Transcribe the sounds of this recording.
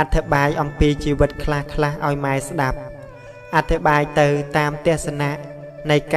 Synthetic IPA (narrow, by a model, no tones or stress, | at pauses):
ʔat̪ʰːiɓaːjʔɑmpiːt͡ɕiːʋɨt̪̚kʰlahkʰlahʔa̰ɔjmaɛsɗap̚ | ʔat̪ʰːiɓaːjt̪ɨwt̪aːmt̪ɛ̆əhsanaʔ | nɨjka